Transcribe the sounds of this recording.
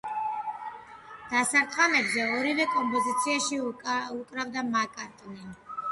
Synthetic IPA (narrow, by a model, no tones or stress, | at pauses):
d̪̥asaɾt̪ʰʼχamɛbzɛɔɾivɛkʼɔmpʼɔzit̪sʰiaʃiukʼɾavd̪amakʼaɾt̪ʼnɛn